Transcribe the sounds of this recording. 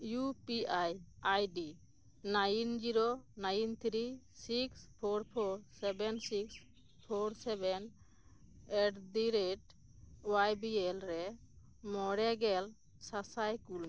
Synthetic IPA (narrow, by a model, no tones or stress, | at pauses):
jupiajajɖi | najnd͡ʒiɾonajnt̪ʰɾi | sikspʰoɾpʰɔɾsɛbɛnsiks | pʰoɾsɛbɛn | ɛʈdiɾeʈ | wajbiɛlɾɛ | mɔɽɛɡɛl | sasajkul